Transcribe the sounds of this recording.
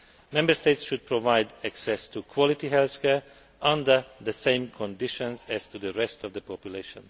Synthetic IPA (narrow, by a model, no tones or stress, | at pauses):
mɛ̃mbəsteɪtsʃud̪̚pʰɹovaɪdæksɛstʰukʰwɔlɪtiɦɛlθkʰɛɹ | ʔʌ̃ndə˞ðəsẽɪ̃mkʰɔ̃ndɪʃɔ̃nzɛz̥tud̪əɹɛstɔvd̪əpʰɔpjuleɪʃɔ̰̃n